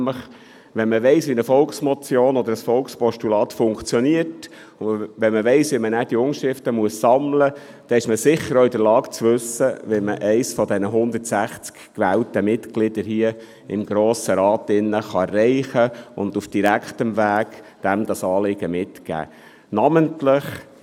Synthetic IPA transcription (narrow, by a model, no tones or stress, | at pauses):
mləχ | ʋɛnməʋɛɪsʋinəfɔlksmɔt͡sjoːnɔd̪əɾəsfɔlkspɔʃtulɑːt̪fʊŋkt͡sjɔniət | ʊʋɛnməʋɛɪsʋimənæːd̥iʊŋʃɾɪftəmuəssɑmlə | d̥ɛɪʃməsɪχːəɾoɪd̪əlɑːɡt͡sʋɵsəʋɛməʔɛɪsfɔd̪ɛnəɦʊnd̪ətsæχt͡skkʋæːltəmɪtɡlɪd̥̪əɾɦiə | ɪmɡ̥ɾoːsəɾɑːt̪ɪnːəχɑɛrːɛɪχəʊ̰nd̪ufd̥iɾækχt̪əmvæːɡ̥d̥æmd̥̪ɑsɑːlɪɡ̥əmɪtkæ̰ː | nɑməntlɪχ